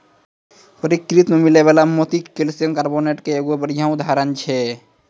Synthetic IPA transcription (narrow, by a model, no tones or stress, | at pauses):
pəɾikɾit̪mẽmileβalamot̪ikːelsijəŋkaɾboneʈkeːɡobəɽijãud̪ʱaɾənt͡ʃʰɛ